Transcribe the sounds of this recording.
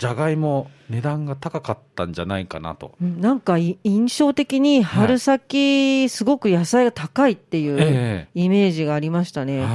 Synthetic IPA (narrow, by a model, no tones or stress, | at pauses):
d͡ʑaɡaimo̞ne̞d̪ãŋɡat̪akakat̪ːãɲd͡ʑanaikana̰t̪o̞̰ɯ̟̃ɴnãŋkaiĩɰ̃ɕo̞ːt̪e̞kʲiɲ̟ihaɾɯ̟sakʲisɨɡo̞kɯ̟jasaiɡat̪akait̪ːe̞jɯ̟ːime̞ːʑiɡaːɾʲimaɕi̥t̪ane̞